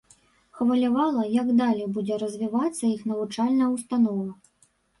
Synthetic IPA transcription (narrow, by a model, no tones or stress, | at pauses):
xvɐlʲavalˠɐjɐɡd̪alʲɛjbud͡zʲɛɾɐzʲvʲivat̪sːɐixnɐvut͡ʂalʲnɐjwst̪anɔvɐ